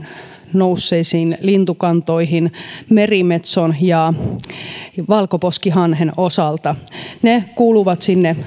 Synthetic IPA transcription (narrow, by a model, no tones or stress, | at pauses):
nousːeisiːnlint̪ukɑnt̪oihinmerimet̪sonjɑ | ʋɑlkoposkiɦɑnhenosɑlt̪ɑnekuːluʋɑt̪sinːe